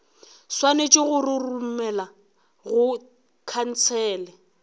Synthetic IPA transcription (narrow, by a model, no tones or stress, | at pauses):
swanet͡ʃʼɪɣʊrɪrum̩mɛla | ɣʊ | kʰan̩t͡sʰɛːlɛ